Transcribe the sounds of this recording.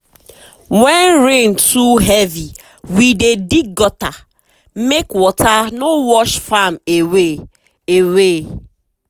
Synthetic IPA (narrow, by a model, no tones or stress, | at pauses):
wɛnɾẽntʰuɦevi | widedikɡɔta | mekwɔtanowɔʃfamewe | ewe